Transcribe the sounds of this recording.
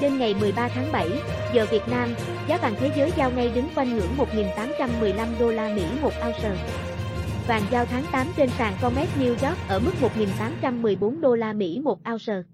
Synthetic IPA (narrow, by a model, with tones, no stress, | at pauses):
t͡ɕe˧nŋa˨˩jmɨ˨˩əjɓaː˧t̪ʰaː˨˦ŋɓa˧˩j | zəː˨˩vi˨˩ət̚naː˧m | zaː˨˦ɓa̰ː˧˨ŋt̪ʰe˨˦zəː˨˦jzaː˧wŋa˧jɗɨ˨˦ŋkwa˧jŋ̟hɨ̰˧˩əŋmo˨˩t̚ŋi˨˩nt̪aː˨˦mt͡ɕa˧mːɨ˨˩əjla˧mɗo˧laː˧mḭ˧˥mo˨˩t̚ʔaː˧wsəː˨˩ | va̰ː˨˩ŋzaː˧wt̪ʰaː˨˦ŋt̪aː˨˦mt͡ɕe˧nsaː˧˩ŋkɔ˧mɛ˦˥t̚ni˧wzɔ˦˥k̚ʔəː˧˩mɨ˦˥k̚mo˨˩t̚ŋi˨˩nt̪aː˨˦mt͡ɕa˧mːɨ˨˩əjɓo˨˦nɗo˧laː˧mḭ˧˥mo˨˩t̚ʔaː˧wsəː˧˨˩